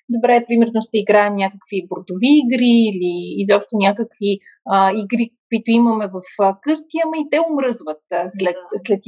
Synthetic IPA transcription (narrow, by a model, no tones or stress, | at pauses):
d̪obɾɛpɾimɛɾnoʃt̪ɛiɡɾaɛmnʲakəkviboɾd̪oviːɡɾiːliːzɔpʃt̪onʲakəkvi | əiɡɾikʊit̪oimɐmɛvɐfəkɤʃt̪iəməit̪ɛomɾɤzvət̪̚slɛt̪slɛt̪